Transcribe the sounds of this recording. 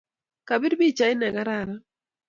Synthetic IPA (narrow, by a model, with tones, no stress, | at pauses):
ka˨bi˦ɾbi˦˨t͡ʃa˨ɪ˦nɛ˨ɡa˦ɾa˦˨ɾa˦